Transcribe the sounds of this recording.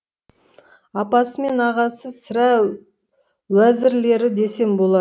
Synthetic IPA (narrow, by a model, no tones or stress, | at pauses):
ɑpɑsəme̞nɑʁɑsəsɪɾæ | wæzɪɾle̞ɾɪd̪e̞se̞mbo̞lˠɑd̪